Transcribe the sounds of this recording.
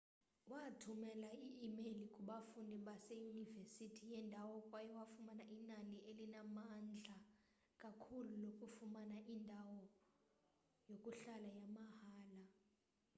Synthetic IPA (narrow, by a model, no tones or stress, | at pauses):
watʰumɛlaiʔːmelikʼuɓafundʱiɓasejunivesitʰijɛndʱawɔkʼwajɛwafumanaʔinaliʔelinamand͡ɮʱa | kʼakʰululokʼufumanaʔindʱawɔ | jokʼuɬalajamahaːla